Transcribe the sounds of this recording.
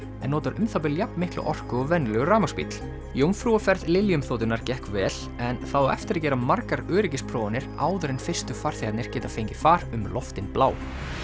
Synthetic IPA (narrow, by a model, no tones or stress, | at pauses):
ɛnːɔːt̪aɾʏmθawpɪljapnmɪhklʏ̰ʔɔr̥kʏɔvɛnlɛɣʏraːmaspḭt̪l | joːwmfɾuafɛɾðlɪljʏmθowt̪ɪnaɾcɛhkvɛːl | ɛnθaðaɛft̪ɪɾacɛːɾamaɾkaɾœːɾɪcɪspʰɾɔːvanɪɾaːwðʏɾɪnfɪr̥st̪ʏfaɾ̥θjaat̪nɪɾ̥cɛːt̪afejɲcɪ̥faːɾʏmlɔft̪ɪnplaːw